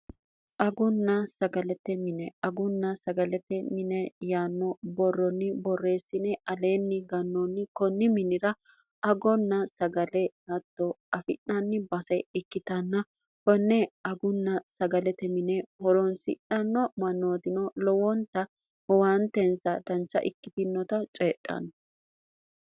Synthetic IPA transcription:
ʔɐɡʊnːɐsɐɡɐlɛt̪ːɛmɪnɛɐɡʊnːɐsɐɡɐlɛt̪ːɛmɪnɛjaːnːɔbɔrːɔnːɪbɔrːeːsːɪnɛɐle̞ːnːɪɡɐnːɔnːɪkɔnːɪmɪnɪɾɐ | ɐɡɔnːɐsɐɡɐlɛɡɐt̪ːɔɐfɪ̰ʔɐnːɪbɐsɐjɪkːɪt̪ɐnːɐ | hɔnːɛɐɡʊnːɐsɐɡɐlɛt̪ɛmɪnɛhɔɾɔnsɪ̰ʔɐnːɔmɐnːoːd̪ɪnɔlɔwɔnt̪ɐ | hɔwant̪ɛnsɐd̪ɐnt͡ʃːɐ̰ʔɪkːɪt̪ɪnːɔt̪ɐt͡ʃʼeːʔʼːɐ̰n

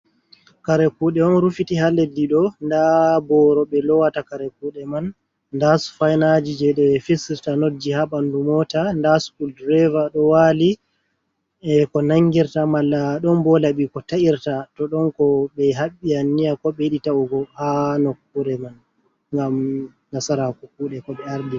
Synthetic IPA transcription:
kaɾɛkuɗɛmanɾufitiɦalediɗɔndabɔɾɔɓɛlɔwatakaɾɛkuɗɛman | ndasu̥fajnad͡ʒid͡ʒɛɗɛfisɾtanod͡ʒːihaɓandumɔtandasu̥kuldɾɛvaɗɔwali | ɛkɔnaŋɡiɾtamalːaɗɔnbɔlaɓikɔtaʔiɾtatɔɗɔnkɔɓɛɦaɓːianːijakɔɓɛjiɗitauɡɔhanokːuɾɛman | ŋɡamː | asaɾakukuːɗɛkɔɓɛaɾdi

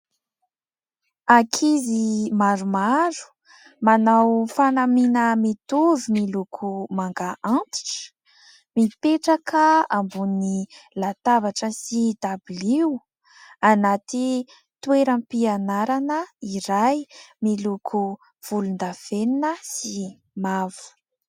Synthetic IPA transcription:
akʰizimaɾumaɾu̥ | manawfanaminəmit̪uvimilukʰumaŋɡaʔant̪i̥ʈ͡ʂə̥ | mipeʈ͡ʂakəambunnilat̪avaʈ͡ʂəsid̪̥abliw | anat̪i | t̪ueɾampianaɾanəiɾajmilukʰu | v̥ulund̪afeninəsi | mavu̥

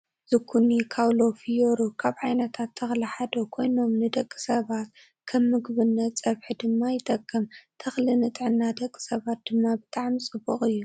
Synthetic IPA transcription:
zɨkʰunikʰawlo̞fijoɾokʰaβʕajnɐt̪ʰat̪ʰːɐxliħad̪o̞kʰo̞jno̞mnɨd̪ɐkʼːɨ̥sɐβat̪ | kʰɐmːɨɡβɨnːɐtt͡sʼɐβħid̪ɨmːajɪt̪ʼɐkʼːɐmt̪ʰːɐxlinɨt̪ʼʕɨnːad̪ɐkʼːɨ̥sɐβat̪̚d̪̥ɨmːabɨt̪ʰʼaʕmt͡sʼɨbːuxʼɨjːu

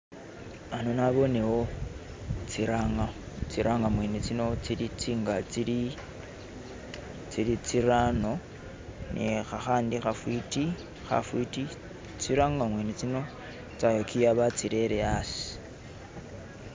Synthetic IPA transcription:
anonaβo̞newo | t͡siɾaŋa | t͡siɾʔaŋɡamwenet͡sinot͡siɾit͡siːŋɡat͡siɾi | t͡siɾit͡siɾano̞ | nʔḛxaxaːndixafwiti | xa̰fwiti | t͡siɾaŋɡamweːnet͡sino̞ | t͡sajokʰijaβat͡siɾeɾeasi̥

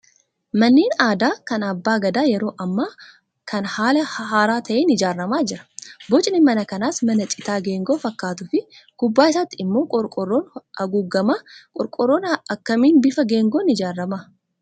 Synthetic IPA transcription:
mɐnːiːnaːd̪aːkɐnɐbːaːɡɐd̪aːjɛɾo̞ːʔɐmːaː | kʰɐnhaːlɐhɦaːɾaːt̪ʰɐʔeːnɪd͡ʒaːrːɐmaːd͡ʒɪɾɐ̥bɔt͡ʃʼnɪmɐnɐkɐnaːsmɐnɐt͡ʃʼɪt̪aːɡe̞ːŋɡo̞ːfɐkːaːt̪ʊfɪɡ̥ʊbːaːɪsaːt̪ːɪɪmːo̞ːkʼɔɾkʼɔrːoːnɐɡuɡːɐmakʼɔɾkʼɔrːoːnɐkːɐmiːnbɪfɐɡeːŋɡoːnɪd͡ʒaːrːɐma

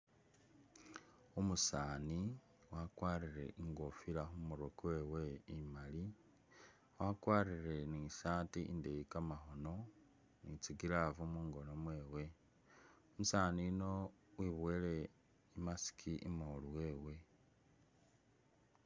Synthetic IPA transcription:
omusaːni | wakwaːriɾe̞̰ʔiŋɡofiɾaxumuɾokweːweimali | wakwaːriɾe̞niʃaːtiḭndejikamaxo̞no̞ | nit͡siɡiɾavumuːŋɡo̞nomweːwe̞ | omusaːninowiβwele̞ | imasi̥kʰiʔḭmoluweːwe̞

